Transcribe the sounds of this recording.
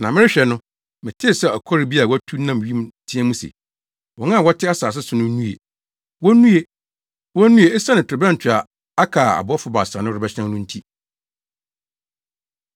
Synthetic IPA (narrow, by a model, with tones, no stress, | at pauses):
nã˨mɪ̃˦ɪ˦ɕᶣɛ˨nʊ̃˦ | mɪ̃˨tʰɪ˦˨sɛ˦ɔ˨kʰɔ˦ɾɪ˨bi˦a˨wɔ˦tʰu˦nã˦m˨ɥi˦mtʰĩ˦ɛ̃˦mũ˦sḛ˨ | wɔ̃˨nã˦˨wɔ˦tʰɪ˦a˦saː˨s̬ɪ˦sʊ˨nʊ̃˦nũ˦ḛ˨ | wɔ˦nũ˦e˨ | wɔ˦nũ˦e˨ɛ˦sa˦nɪ̃˨tʰɾɪ˨bɛ̃˦n̩˨tʰɪ˨a˨ | a˦kʰa˨a̰˨bʊ˦ɔ˦fʊ˨ba˨sã˨nʊ̃˦ɾɪ˨bɛ˦ɕʰɪ˦nã˦nʊ̃˦n̩˦tʰi˦